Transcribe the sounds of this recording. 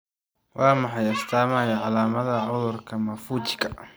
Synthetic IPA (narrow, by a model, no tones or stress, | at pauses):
wʔɑːmɑħɑjɐst̪ʰaːmajɐʕalaːmɐðɐʕʊðʊrkʰɐmɐfuːt͡ʃɪ̥kʰɐ